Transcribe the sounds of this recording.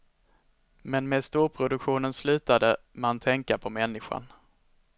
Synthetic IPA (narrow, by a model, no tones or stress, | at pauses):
mɛnmeːd̪st̪uːɾpʰɾʊd̪ɵkɧuːnənslʉ̟ːt̪ad̪ə | mant̪ʰɛŋkaɾpʰɔmɛnːɪɧa̰n